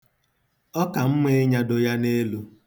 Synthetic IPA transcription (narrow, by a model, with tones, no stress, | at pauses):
ɔ˦ka˨m̩˦me˦ɲa˦do˨ja˦ne˦lu˦